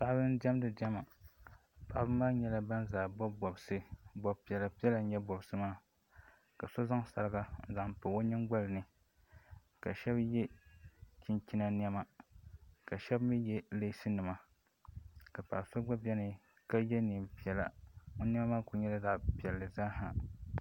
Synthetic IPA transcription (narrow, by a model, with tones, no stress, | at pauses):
sa˦ʔbɨ˦n˦dɛ˦m˦dɨ˨di˦ɛ˦ma˨ | pa˨˦bɨ˦maː˦ɲɛ˦la˦ba˦n˦zaː˨bɔ˦bɔ˨bsɨ˦bɔ˨pi˨ɛ˨la˨pi˦ɛ˦la˨˦ɲɛ˦bɔ˨bsɨ˨˦maː˦˨ | ka˨so˦za˦ŋsa̰˨ɾɨ˦ɡa˦n̩˦za˨m˨po˨o˦ɲɨ˦ŋɡ͡ba˦lɨ˨nɨ˨ | ka˨ʃɛ˦bjɛ˦ | t͡ʃi˦nt͡ʃi˦na˦n˦ɛ˦ma˨ | ka˨ʃɛ˦bmi˦jɛ˦le˦sɨ˦nɨ˨ma˨ | ka˨pa̰˨so˦ɡ͡ba˦bɛ˦nɨ˨ | ka˦jɛ˦ni˨mpi˨ɛ˨la̰˨o˦n˦ɛ˦ma˦maː˦ku˨˦ɲɛ˦la˦da˨ʔpi˨ɛ˨lːɨ˨zaː˦ha˨